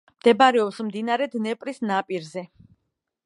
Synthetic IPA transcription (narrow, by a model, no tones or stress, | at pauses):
md̪̥ɛbaɾɛɔpsmd̪inaɾɛd̪nɛpʼɾisnapʼiɾzɛ